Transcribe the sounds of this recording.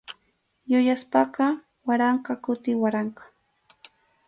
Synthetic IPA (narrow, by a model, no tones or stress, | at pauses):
jʊjaspɑqɑ | waɾɑɴqɑkʊt̪ɪwaɾɑɴqɑ̥